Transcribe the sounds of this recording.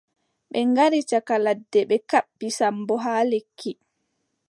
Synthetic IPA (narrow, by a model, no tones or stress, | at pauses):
ɓɛŋɡaɾit͡ʃakaladːɛɓɛkaɓːisambɔɦaːlekʰːi